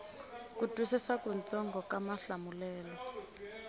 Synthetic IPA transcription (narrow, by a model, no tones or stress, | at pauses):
kutʼusisakunt͡sɔŋɡɔkamaɬamulɛːlɔ